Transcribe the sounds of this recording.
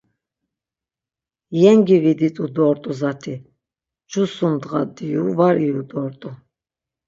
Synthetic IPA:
jɛŋɡivid̪it̪ʼud̪ɔːɾt̪ʼuzat̪ʰi | d͡ʒʰusumd̪ʁad̪ijuvaɾijud̪ɔːɾt̪ʼu

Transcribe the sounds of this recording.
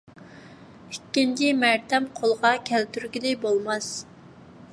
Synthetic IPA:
ikʲːind̪imæɾt̪ʰɛmqʰolˠʁɑkʲʰɛlt̪yɾɡʲid̪ɪbolˠmɑs

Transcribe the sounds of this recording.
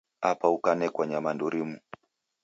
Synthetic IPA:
apaukanɛkwaɲamanduɾimu

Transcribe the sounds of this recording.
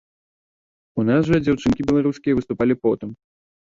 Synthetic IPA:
unasʐɐd͡zʲawt͡ʂɨnkʲibʲɛlˠaɾuskʲijɛvɨst̪upalʲipɔt̪ɨm

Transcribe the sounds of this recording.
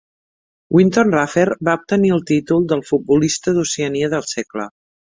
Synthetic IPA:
wʔint̪onrafeɾbaup̚t̪əniəlˠt̪it̪ulˠd̪əlˠfut̪̚bulist̪əðuseəniəðəlˠsɛklə̰

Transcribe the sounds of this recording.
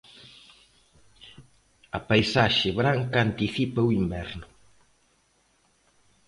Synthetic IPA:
ɐpajsaʃɪβɾaŋkaant̪iθipɐuimbɛɾnʊ

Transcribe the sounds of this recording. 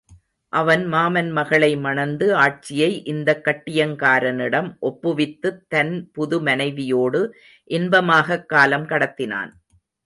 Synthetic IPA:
ʔɐʋɐnmaːmɐnmɐɣɐɭɐɪmɐɳɐnd̪ɯaːʈ̚t͡ʃɪjɐɪʔɪnd̪ɐkːɐʈːɪjɐŋkaːɾɐnɪɽɐmʔɔpːɯʋɪt̪ːɯt̪ːɐnpʊðʊmɐnɐɪʋɪjoːɽɯ | ʔɪnbɐmaːɣɐkːaːlɐmkɐɽɐt̪ːɪna̰ːn

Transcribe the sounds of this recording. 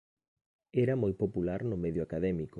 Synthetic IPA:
ɛɾɐmojpopulaɾnʊmeðjoakaðɛmikʊ

